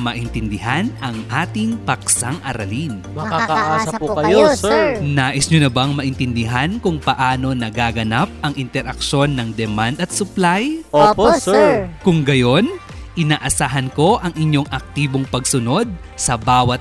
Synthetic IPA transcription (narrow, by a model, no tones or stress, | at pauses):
mɐʔɪnt̪ɪnd̪ɪɦanɐŋʔaːt̪ɪŋpɐksaŋʔɐ̰ɾɐ̰linmɐkaɐʔasɐʊkɐjonaːʔɪsɲʊnɐbɐŋmɐʔɪnt̪ɪnd̪ɪɦankʊŋpɐʔaːno̞nɐɡaːɡɐnap̚ɐŋʔɪnt̪ɛɾʔɐkʃo̞nːɐŋd̪ɛmand̪ɐt̪̚sʊplajop | kʊŋɡɐjo̞n | ʔɪnaːʔɐsaːɦɐnko̞ʔɐŋʔɪɲjo̞ŋʔɐk̚t̪iːbo̞ŋpɐɡsʊno̞d̪̚ | sɐbaːwɐt̪